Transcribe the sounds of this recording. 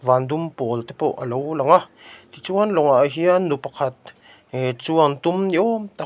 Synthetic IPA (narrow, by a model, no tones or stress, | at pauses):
vand̪umpolt̪epoʔa̰lowlaŋat̪it͡suanloŋaʔɦianupaqʰat̪̚ | t͡suant̪umnjot̪a